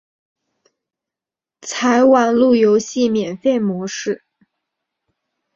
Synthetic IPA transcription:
t͡sʰa˧˥ɪwa˨˩nlu˥˩jo˧˥ʊɕi˥˩mjɛ˨˩nfe˥˩ɪmwɔ˧˥ʂɻ̩˥˩

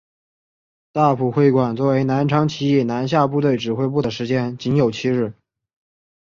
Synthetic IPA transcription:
t̪a˥˩pʰu˨˩xwe˥˩ɪkwa˨˩nt͡swɔ˥˩we˧˥ɪna˧˥nʈ͡ʂʰɑ˧˥ŋt͡ɕʰi˧˥i˥˩na˧˥nɕ̬ja˥˧p̬u˥˧t̪we˥˩ɪʈ͡ʂɻ̩˨˩xwe˥ɪp̬u˥˩d̪ə˩ʂɻ̩˧˥t͡ɕjɛ˥nt͡ɕi˧˥njo˨˩ʊt͡ɕʰi˥ɻɻ̩˥˩

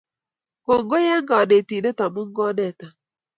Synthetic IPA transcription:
ko˨ŋ˦ɡo˦jɛ˦ŋ˦ɡa˨ne˨ti˨de˦ta˨mʊ˦ŋ̩˦ɡɔ˦nɛ˦˨ta˨

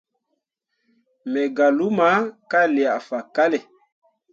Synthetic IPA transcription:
mɛ˨ɡa˨lu˦ma˨˦ka˦le˨a˨fa˨ka˦lɛ˨

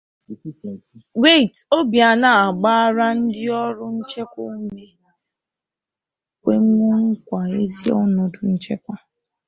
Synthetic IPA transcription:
ɾe˦˨to˦bja˨na˨a˨ɡ͡ba˦a˦ɾa˦n̩˦dɪ˦ɔ˦ɾʊ˦n̩˦t͡ʃe˦kʷʊ˦me˦ | kʷe˦ŋ̩˦ŋʷu˦ŋ̩˦kʷa˨e˦zi˦ɔ̰˦nɔ˨dʊ˨n̩˦t͡ʃe˦kʷa˦

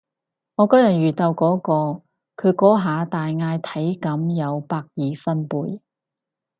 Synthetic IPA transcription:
ŋɔː˨˧kɔː˥jɐ˨t̚ɥyː˨˩t̪ɐ˧wkɔː˨˥kɔː˧ | kʰɵ˨˧ɥkɔː˨˥ɦaː˨˧t̪aː˨jŋaː˧jt̪ʰɐ˨˥jkɐ˨˥mjɐ˨˧wpaː˧k̚jiː˨fɐ˥npuː˧j

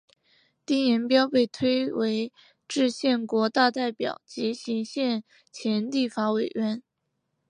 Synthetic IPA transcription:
t̪i˥˩ŋjɛ˧˥npjɑ˥ʊpe˥˩ɪt̪ʰwe˥ɪwe˧˥ɪ | ʈ͡ʂɻ̩˥˧ɕjɛ˥˩nkwɔ˧˥t̪a˥˧t̪a˥˩ɪpjɑ̰˨˩ʊt͡ɕi˧˥ɕi˧˥ŋɕjɛ˥˩n | t͡ɕʰjɛ˧˥nt̪i˥˩fa˧˥we˨˩ɪɥɛ˧˥n

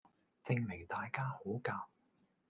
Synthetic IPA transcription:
t͡sɪ˧ŋme˨˩jt̪aː˨jkaː˥ho˨˥wkaː˧w

